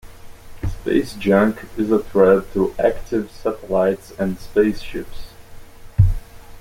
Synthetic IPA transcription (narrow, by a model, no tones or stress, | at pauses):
spḛɪsd͡ʒʌ̃ŋkʰɪzəθɹɛv̚tʰəʔæktʰɪv̥sætəlaɪtsɨ̃nspeɪsʃɪps